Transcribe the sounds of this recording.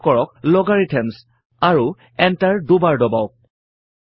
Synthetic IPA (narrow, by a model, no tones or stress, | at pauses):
kɔɹɔk̚lɔɡaɹitʰɛms | aɹu | ɛntaɹdubaɹdɔbaʊk̚